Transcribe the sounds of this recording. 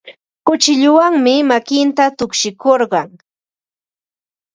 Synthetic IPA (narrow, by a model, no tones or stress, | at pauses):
kʊt͡ʃɪʎʊwaŋmɪmakɪnt̪at̪ʊkʃɪkoɾɢɑŋ